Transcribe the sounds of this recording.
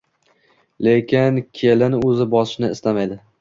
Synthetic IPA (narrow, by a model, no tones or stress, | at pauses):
lekʲɪnkʲʰelɪnɪɵzɪbɒsɪ̥ʃnɪɪst̪amajd̪ɪ